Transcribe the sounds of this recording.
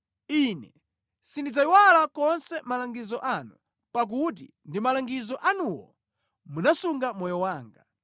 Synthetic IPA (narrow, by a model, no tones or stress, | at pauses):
inɛ | sindid͡zaiwalakɔnsɛmalaŋɡizɔʔanu | pak̬ut̬ḭ | ndimalaŋɡizɔʔanuwɔ̰ | munasuŋɡamɔjɔwaːŋɡa